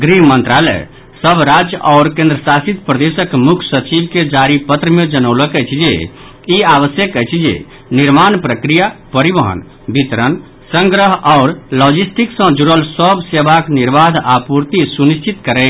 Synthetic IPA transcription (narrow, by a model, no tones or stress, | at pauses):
ɡɾiɦmənt̪ɾalɛ̰j | səbʱɾad͡ʒjəʔɔʊɾkẽnd̪ɾəsasit̪pɾəd̪esəkmukʰsət͡ʃibked͡ʒaɾipət̪ɾəmed͡ʒənəʊləkəjt͡ʃʰd͡ʒḛ | iaʋəsjəkəjt͡ʃʰd͡ʒḛ | niɾmanpɾəkɾijapəɾibəɦə̰n | bit̪ɾən | sə̃ŋɡɾəɦɔʊɾlɔd͡ʒisʈʰiksə̃d͡ʒuɾəlsəbʱsebʱakniɾbad̪ʱapuɾt̪isunist͡ʃʰit̪kəɾɛ